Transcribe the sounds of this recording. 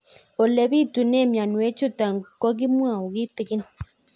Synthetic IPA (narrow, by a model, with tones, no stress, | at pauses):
o˨lɛ˨bi˦˨tu˨ne˦˨mja˨nwe˨˦t͡ʃu˦ta˨ŋ˨kɔ˦ɡ̬i˦mwa˨o˨ɡi˦tɪ˨ɡɪ˦n